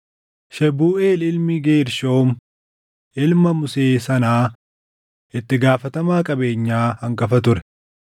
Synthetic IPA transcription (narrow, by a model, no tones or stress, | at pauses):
ʃɛbuːʔeːlɪlmɪɡe̞ːɾʃo̞ːm | ʔɪlmɐmʊseːsɐnaː | ʔɪt̪ːɪɡaːfɐt̪ɐmaːkʼɐbe̞ːɲːaːhɐŋkɐfɐt̪̬ʊɾɛ